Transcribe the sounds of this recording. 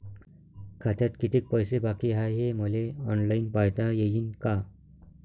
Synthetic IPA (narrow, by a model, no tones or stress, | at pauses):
kʰat̪jat̪kit̪ʰik̚pəjsebakiɦajɦeməleɔnlainpajt̪ajejiːnka